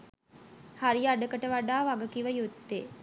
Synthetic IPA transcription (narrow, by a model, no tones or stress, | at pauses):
haɾiaɖəkəʈəʋaɖaːʋaɡəkiʋəjut̪ːe